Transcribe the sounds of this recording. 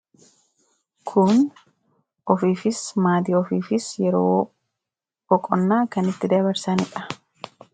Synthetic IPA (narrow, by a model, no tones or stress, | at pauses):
kʰʊn | ʔɔfiːfɪsmaːd̪ɪɔfiːfɪsjɛɾoː | bɔkʼɔnːaːkɐnɪt̪ːɪd̪ɐβɐɾsɐnɪᶑɐ̥